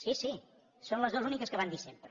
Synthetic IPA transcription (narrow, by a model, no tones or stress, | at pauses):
sisi | sonləzðozunikəskəβanisempɾə